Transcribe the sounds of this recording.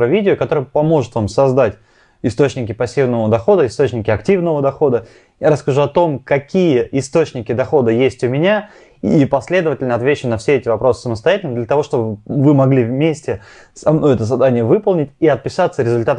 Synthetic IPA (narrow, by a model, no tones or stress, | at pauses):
ɾəvʲidʲɪʊkɐt̪o̞ɾəjəpɐmo̞ʐɨt̪vamsɐzd̪atʲ | ɪst̪ot͡ɕnʲɪkʲɪpɐsʲːivnəvəd̪ɐxo̞d̪əɪst̪o̞t͡ɕnʲɪkʲɪɐktʲivnəvəd̪ɐxo̞d̪ə | jaɾəskɐʐuɐt̪o̞mkɐkʲijəʔɪst̪o̞t͡ɕnʲɪkʲɪd̪ɐxo̞d̪əjesʲtʲʊmʲɪnʲa | ipɐsʲlʲe̞d̪əvətʲɪlʲnəɐt̪vʲet͡ɕːʊnɐfsʲeɛtʲɪvɐpɾo̞sɨ̥səməst̪ɐjætʲɪlnəd̪lʲət̪ɐvo̞ʂt̪obəvɨmɐɡlʲivmʲesʲtʲɪ | sɐmnojɛt̪əzɐd̪anʲɪjəvɨpəlˠnʲɪtʲiɐt̪̚pʲɪsat̪səɾʲɪzʊlʲt̪at̪